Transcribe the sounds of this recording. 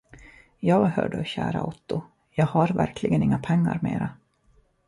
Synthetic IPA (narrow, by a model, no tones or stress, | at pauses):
jɑːɡhœːɖəɕæːɾaut̪ːʊ | jɑːɡhaɾvæɾkʰlɪɡənɪŋːapʰɛŋːa̰ɾmeːɾa